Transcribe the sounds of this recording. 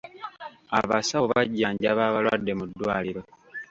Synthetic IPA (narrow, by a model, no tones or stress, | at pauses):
a̰βasaβaɟːaːɲɟaβaːβalwadːe̞mudːwaːliɾo̞